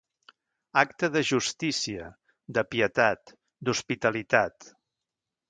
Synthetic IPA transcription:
ak̚t̪əðəʒust̪isiə | d̪əpiət̪at̪ | d̪uspit̪əlit̪at̪

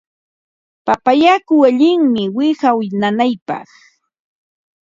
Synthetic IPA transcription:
papajakʊwaʎɪŋmɪwɪhawnanajpɑ̰χ

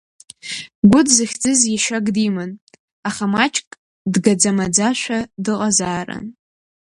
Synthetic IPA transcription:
ɡʷʊdzɨχʲd͡zɨzjaʃaɡdimɨn | aχamat͡ʃʼkʼ | dɡad͡zamad͡zaʃʷadɨqʼazaːra̰n

